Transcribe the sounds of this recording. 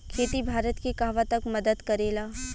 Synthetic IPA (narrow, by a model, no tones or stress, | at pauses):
kʰeːt̪ibʱaːɾət̪kekaːʋat̪ɐkmɐd̪əd̪kɐɾeːlaː